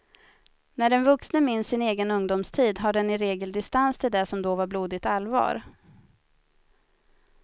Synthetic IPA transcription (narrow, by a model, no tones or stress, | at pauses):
næɖɛnvɵksnəmɪnsːɪneːɡənɵŋd̪ʊmst̪ʰiːd̪ɦaɖɛnɪɾeːɡəld̪ɪst̪anst̪ʰɪld̪ɛsɔmd̪oːvaɾbluːd̪ɪt̪alːvɑ̰ːɾ